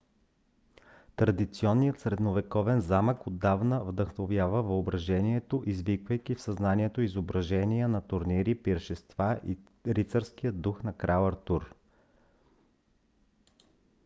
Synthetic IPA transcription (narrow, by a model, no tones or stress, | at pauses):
t̪ɾɐd̪it̪siɔnːijət̪sɾɛd̪novɛkɔvɛnzaməkod̪ːavnəvd̪əxnovjavəvɐobɾɐʒɛniɛt̪oʔizvikvəjkʲifsɐznaniɛt̪oizobɾɐʒɛniənɐt̪ʊɾniɾipiɾʃist̪vaʔi | ɾit̪səɾskijəd̪ːuxnɐkɾalˠəɾt̪uɾ